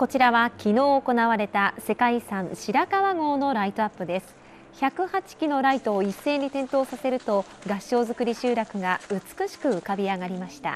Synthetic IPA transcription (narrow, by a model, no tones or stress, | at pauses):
ko̞t͡ɕiɾaβakʲino̞ːko̞naβaɾe̞t̪ase̞kaisãɰ̃ɕiɾakaβaɡo̞ːno̞ɾait̪o̞apːɯ̟d̪e̞sɨ̥ | çakɯ̟hat͡ɕi̥kʲino̞ɾait̪o̞ːisːe̞ːɲ̟ːit̪ẽ̞nt̪o̞ːsase̞ɾɯ̟t̪o̞ | ɡaɕːo̞ːzɨkɯ̟ɾʲiɕɨːɾakɯ̟ɡaɯ̟t͡sɨ̥kɯ̟ɕi̥kɯ̟ɯ̟kabʲiaɡaɾʲimaɕi̥t̪a̰